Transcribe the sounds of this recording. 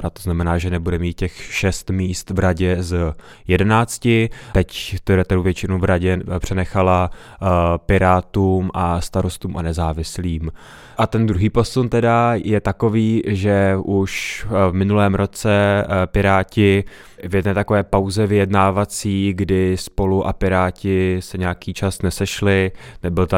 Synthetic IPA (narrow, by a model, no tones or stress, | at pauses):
ɾat̪ːoznamɛnaːʒɛnɛbudɛmiːt̪̚cɛxʃɛst̪miːst̪vɾaɟɛz | jɛdɛnaːt͡scɪɛct̪ɛɾɛt̪ɛɾuvjɛt͡ʃɪnowvɾaɟɛpr̝̥ɛnɛxala | pɪɾaːt̪uːmʔast̪aɾo̞st̪uːmʔa̰nɛzaːvɪsliːm | ʔat̪ɛnd̪ɾuɦiːpo̞sunt̪ɛdajɛt̪ako̞viːʒɛʔuʃvmɪnulɛːmɾo̞t͡sɛpɪɾaːcɪ | vɪjɛdnɛːt̪akovɛːpawzɛvɪjɛdnaːvat͡siːɡdɪspo̞luʔa̰pɪɾaːcɪsɛɲɛjakiːt͡ʃasnɛsɛʃlɪnɛbɪlt̪a